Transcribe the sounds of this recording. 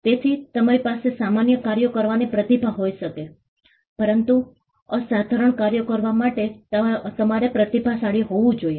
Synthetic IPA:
t̪et̪ʰit̪əmaɾipasesamanjəkaɾjokəɾʋanipɾət̪ibʱaɦoiʃəke | pəɾənt̪u | əsad̪ʱaɾəɳkaɾjəkəɾʋamaʈet̪əmaɾepɾət̪ibʱasaɭiɦoʋũd͡ʒoje

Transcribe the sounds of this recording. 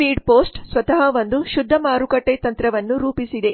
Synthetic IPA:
iːɖpoːsʈsʋɐt̪ɐɦɐʋond̪uʃud̪ʱːɐmaːɾukɐʈːet̪ɐnt̪ɾɐʋɐnːuɾuːpisid̪e̞

